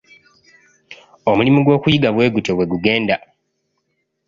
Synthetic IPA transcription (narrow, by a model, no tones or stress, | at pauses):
o̞mulimuɡwo̞ːkujiɡaβwe̞ːɡutewe̞ɡuɡe̞ːnda